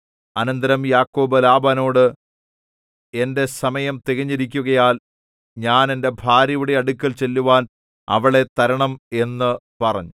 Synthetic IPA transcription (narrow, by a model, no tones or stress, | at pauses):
ɐnɐnd̪ɐɾɐmjaːkːo̞ːbɐlaːbano̞ːɽɨ | e̞nde̞sɐmɐjɐmt̪eɣiɲːiɾikʲːuɣɐjaːl | ɲaːne̞nde̞bʱaːɾjɐʋuɽeɐɽukʲːɐlt͡ɕe̞lːuʋaːn | ɐ̰ʋɐɭe̞t̪ɐɾɐɳɐme̞nːɨpɐrɐ̰ɲːu